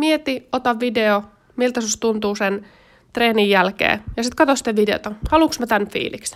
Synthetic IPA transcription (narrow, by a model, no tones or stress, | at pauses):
miet̪iot̪ɑʋʋideo | milt̪ɑsust̪unt̪uːsen | t̪reːnijjælkḛːjɑsit̪kɑt̪osi̥t̪ːeʋʋideo̰t̪ɑhɑluksmæt̪ænfḭːliks